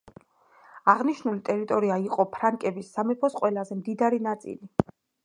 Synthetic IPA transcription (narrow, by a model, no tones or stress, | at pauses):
aʁniʃnulit̪ʼɛɾit̪ʼɔɾiaiqʼɔpʰɾaŋkʼɛbisːamɛpʰɔsqʼwɛlazɛmd̪id̪aɾinat̪sʼḭli